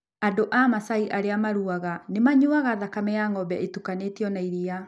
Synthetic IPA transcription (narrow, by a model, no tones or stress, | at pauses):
adoʔamasaiʔaɾeamaɾuaɣanemaɲoaɣaðakamɛjaŋɔbɛ̰etukanetiɔnaiɾia